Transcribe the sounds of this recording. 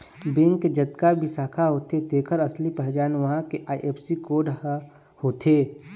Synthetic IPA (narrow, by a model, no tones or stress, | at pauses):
bɪ̃ŋɡed͡ʒɐt̪kabʱisaːkʰaɦoːt̪ed̪eːkʰəɾɐslipəɦd͡ʒaːnʋɐɦãkeʔaːiʔeːpsikoːɾɖ | hoːt̪ʰeː